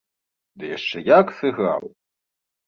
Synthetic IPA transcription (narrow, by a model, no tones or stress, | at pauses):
d̪ɨjaʂt͡ʂɛjaksɨɣa̰wˠ